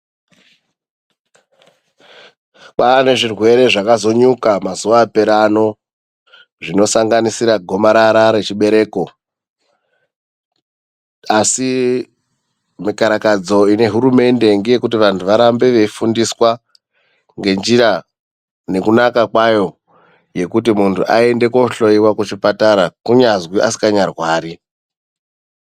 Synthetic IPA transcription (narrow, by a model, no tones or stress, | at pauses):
k͡pane̞ʐirwe̞ɾe̞ʐakazo̞ɲukamazuʋaːpe̞ɾano̞ | ʐino̞saŋɡanisiɾaɡʱo̞maɾaɾaɾe̞t͡ʃiɓe̞ɾe̞ːko̞ | asi | mikaɾakad͡zo̞ine̞ɦuɾume̞nde̞ŋɡeje̞kut̬iʋantʰuʋaɾambe̞ʋe̞fundiswa | ŋɡe̞nd͡ʒiɾa | ne̞kunakakwajo̞ | je̞kutimuntʰṵʔa̰e̞nde̞ko̞ɬo̞iwakut͡ʃipataɾakuɲazwiʔasi̥kaɲarwaːɾi